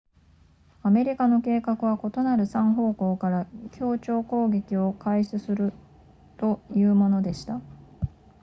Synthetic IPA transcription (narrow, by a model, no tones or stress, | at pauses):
ame̞ɾʲikano̞ke̞ːkakɯ̟β̞ako̞t̪o̞naɾɯ̟sãɰ̃ɦo̞ːko̞ːkaɾakʲʰo̞ːt͡ɕo̞ːko̞ːɡe̞kʲio̞kaisɨsɨɾɯ̟ | t̪o̞jɯ̟ːmo̞no̞d̪e̞ɕi̥t̪a